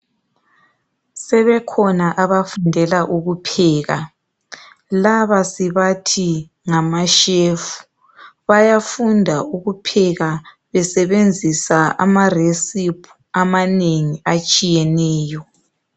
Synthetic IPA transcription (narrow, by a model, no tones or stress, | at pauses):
sɛβɛkʰɔnaʔaβafundʱɛlaʔuɣupʰɛːɣa | laβasiβatʰi | ŋamaʃefu̥ | βajafundʱauɣupʰɛɣa | βɛsɛβend͡zʱisaʔa̰maresipʰu̥ | amaneŋiat͡ʃʼijɛnɛːjɔ